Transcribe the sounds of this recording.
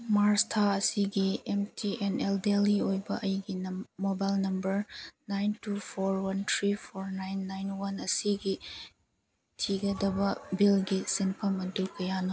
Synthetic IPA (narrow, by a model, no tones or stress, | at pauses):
maɾstʰaɐsiɡiemtʰieneldeliojbɐʔɐjɡimobajlnɐmbɐɾnajntupʰoɾwɐntʰɾipʰoɾnajnːajnwɐnɐsiɡi | tʰiɡɐdɐbɐbilɡisinpʰɐmɐndulkɐjanɐ